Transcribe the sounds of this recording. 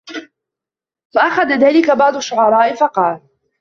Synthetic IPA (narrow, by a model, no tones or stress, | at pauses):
faʔaxad̪aðaːlɪkabɑʕd̪ˤʊʃːʊʕɑɾˤɑːʔɪfɑqɑːl